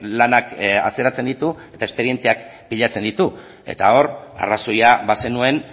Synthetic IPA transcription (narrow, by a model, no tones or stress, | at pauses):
lanaka̰t͡se̞ɾat͡se̞nd̪it̪ue̞t̪ae̞spe̞ɾie̞nt̪eak | piʎat͡se̞nd̪it̪u | e̞̰t̪ao̞ɾa̰raso̞jaβase̞nue̞n